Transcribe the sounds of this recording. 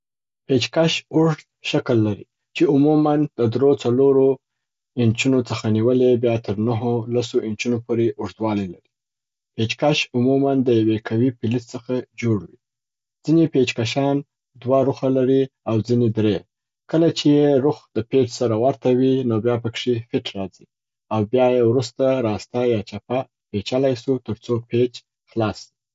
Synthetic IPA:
pet͡ʃkaʃʊʐd̪ʃakəlːaɾḭ | t͡ʃeʊmumand̪̥əd̪ɾot͡saloɾo | ɪnt͡ʃunot͡səxaniwəlebjɑt̪ʰəɾnaɦolasoʔɪnt͡ʃunopoɾeʔʊʐd̪wɑlajlaɾi̥ | pet͡ʃkaʃʊmumand̪əjawekʰawipɪlɪt͡st͡səxad͡ʒoɽwi | d͡z̥inepet͡ʃkaʃɑn | d̪waɾuxalaɾiawd͡zined̪ɾe | kəlat͡ʃejeɾuxd̪̥əpet͡ʃsaɾawaɾt̪awinobjɑpəkʂifɪʈʰɾɑzi | awbjɑjewɾust̪aɾɑst̪ajɑt͡ʃapa | pet͡ʃalajsut̪əɾt͡sopet͡ʃ | xlɑsd̪i

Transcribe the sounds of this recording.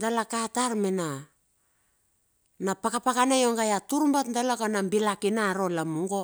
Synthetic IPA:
dalakataɾmena | napakapakanajo̞ŋɡajatuɾmbatndalakanambilakinaɾo̞lamuŋɡo̞

